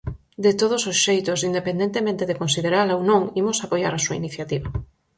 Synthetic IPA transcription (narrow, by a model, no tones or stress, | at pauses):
d̪et̪oð̞ososʃejt̪ʊsind̪epẽnd̪ent̪emẽnt̪eðekonsiðeɾalownõŋimosapojaɾasuainiθjat̪iβa